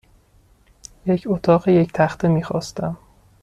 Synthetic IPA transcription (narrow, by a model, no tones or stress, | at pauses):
je̞cʰot̪ʰɒːɣeject̪ʰæxt̪ʰemiːxɒ̰ːst̪æm